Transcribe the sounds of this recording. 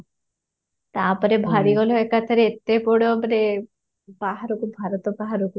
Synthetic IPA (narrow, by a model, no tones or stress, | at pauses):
t̪apɔɾebʱaɽiɡɔlɔekat̪ʰaɾeet̪ːepɔɽopɔɾe | baɦaɾokubʱaɾɔt̪ɔbaɦaɾoku